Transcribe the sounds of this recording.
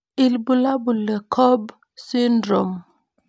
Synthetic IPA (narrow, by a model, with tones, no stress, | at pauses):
i˨lbu˨la˦bu˨lɛ˨kʰɔ˦b | si˦ndɾɔ˨m